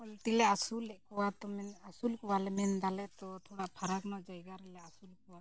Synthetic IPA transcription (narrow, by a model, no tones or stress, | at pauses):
ɔlt̪ilɛasulɛʔkɔwat̪ɔmɛnasulkɔwalɛmɛnd̪alɛt̪ɔt̪ʰɔɽaʔpʰaɾaknɔd͡ʒajɡaɾɛlɛasulkɔwa